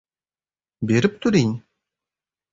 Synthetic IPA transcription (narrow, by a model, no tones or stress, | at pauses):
beɾip̚t̪uɾinʲ